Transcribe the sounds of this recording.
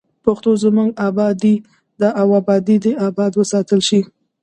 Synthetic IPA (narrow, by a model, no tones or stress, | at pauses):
paxt̪ozəmuŋɡɑbɑd̪i | d̪əʔawabɑd̪id̪əabɑd̪wəsɑt̪əlʃi